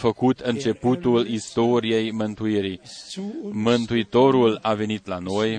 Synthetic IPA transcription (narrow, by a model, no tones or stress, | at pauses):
fəkut̪ʰɨnt͡ʃe̞put̪ulist̪o̞ɾije̞jmɨnt̪uiɾi | mɨnt̪uit̪o̞ɾulave̞nit̪lano̞j